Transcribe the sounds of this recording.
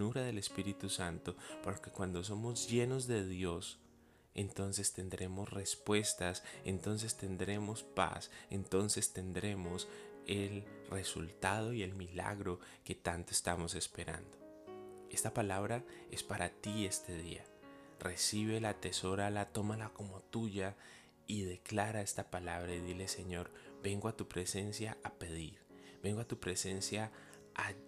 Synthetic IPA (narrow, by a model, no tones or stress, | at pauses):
uɾaðe̞le̞spiɾit̪usant̪o̞poɾoke̞kwand̪o̞s̬o̞mo̞zʝe̞no̞zðe̞ðjo̞s | e̞̰nt̪o̞nse̞st̪e̞nd̪ɾe̞mo̞sre̞spwe̞st̪ase̞nt̪o̞ns̬e̞st̪e̞nd̪ɾe̞mo̞spa̰se̞nt̪o̞nse̞st̪e̞nd̪ɾe̞mo̞se̞lre̞sṵlt̪að̞o̞ie̞lmila̰ɣɾo̞ | ke̞t̪ant̪oest̪amo̞se̞spe̞ɾa̰nd̪o̞ | e̞st̪apalaβɾae̞spaɾat̪ie̞st̪e̞ðḭa̰ | re̞siβ̞e̞lat̪e̞so̞ɾalat̪o̞malako̞mo̞t̪uʝa | iðe̞klaɾae̞st̪apalaβ̞ɾaiðile̞se̞ɲo̞ɾbe̞ŋɡoat̪upɾe̞se̞nsjaape̞ð̞iɾbe̞ŋɡoat̪upɾe̞se̞nsja | a